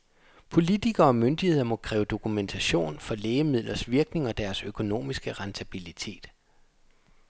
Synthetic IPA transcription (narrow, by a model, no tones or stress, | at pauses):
pʰo̝lit͡sʰiɡ̥ɐ̽ːmønd̥ihe̝ð̰ˠɐmɒ̽kʰʁɛːʊd̥o̝kʰument͡sʰæɕo̝̰ːnfɒ̽leːəmið̰ˠlʔɐsʋiɐɡ̥ne̝ŋɒ̽d̥æɐsøkʰo̝no̝̰ːmisɡ̥əʁɑnt͡sʰæb̥ilit͡sʰe̝̰ːd̥